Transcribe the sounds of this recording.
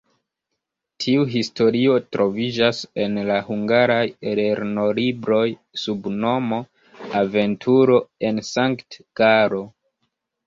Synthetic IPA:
tʰiuɦisto̞ɾio̞tɾʔo̞vid͡ʒase̞nlahuŋɡaɾajeleɾno̞libɾo̞jsubno̞mo̞ | ave̞ntʰuɾo̞e̞nsaŋktɡ̥aɾo̞

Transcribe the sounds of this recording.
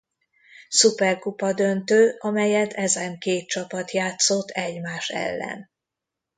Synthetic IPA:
supɛrkupɒd̪ønt̪øːʔɒmɛjɛt̪ʰɛzɛŋkeːt̪̚t͡ʃɒpɒt̪jaːt̪so̞t̪ʰːɛɟmaːʃɛ̰lːɛ̰n

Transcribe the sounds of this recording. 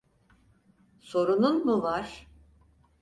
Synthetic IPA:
so̞ɾununmuvaɾ̥

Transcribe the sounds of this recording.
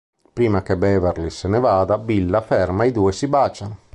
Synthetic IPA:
pɾiːmakebɛːveɾlisenɛvaːd̪abilːafɛrmaid̪uːesibaːt͡ʃan

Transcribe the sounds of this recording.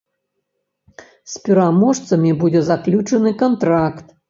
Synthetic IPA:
sʲpʲiɾamɔʂt̪sɐmʲibud͡zʲɛzaklʲut͡ʂɨnɨkɐnt̪ɾakt̪̚

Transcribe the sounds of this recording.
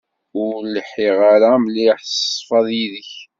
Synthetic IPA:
ʊɾləħiʁaɾamliħθsˤːfɑðˤjiðəç

